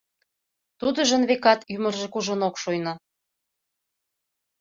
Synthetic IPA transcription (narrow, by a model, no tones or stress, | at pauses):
t̪ud̪ə̆ʒə̆nβekɑt̪jymə̆rʒĕkuʒonokʃojnɑ